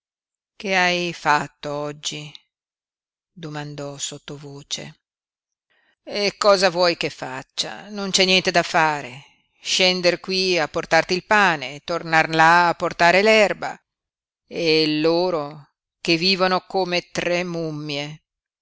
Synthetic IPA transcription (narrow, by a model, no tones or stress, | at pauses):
keajfat̪ːoɔd͡ʒːi | d̪omand̪ɔsot̪ːovoːt͡ʃḛ | ekːɔːzavwɔjkefːa̰t͡ʃːa̰nont͡ʃɛnːjɛnt̪ed̪afːaːɾe | ʃɛnd̪eɾkwiapːort̪art̪ilpaːnet̪ornarlaːpːort̪aːɾelɛrba̰ | elːoːɾo | k̟evːiːvonokomet̪ɾemumːje